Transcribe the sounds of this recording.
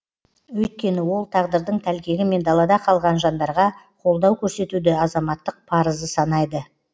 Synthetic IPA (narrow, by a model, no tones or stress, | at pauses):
wɵjt̪̚kʲe̞nɪwo̞lˠt̪ʰɑʁd̪əɾd̪əɴt̪ʰælkʲe̞ɡʲɪme̞nd̪ɑlˠɑd̪ɑqʰɑlˠʁɑnʒɑnd̪ɑɾʁɑ | qʰo̞lˠd̪ɑwkʲʰɵɾse̞t̪ud̪ɪɑzɑmɑt̪ːəq̚pʰɑɾəzəsɑnɑjd̪ə